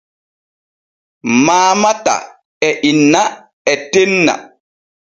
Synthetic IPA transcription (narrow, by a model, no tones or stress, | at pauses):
maːmata̰ | ɛʔinːa | ɛtenːa̰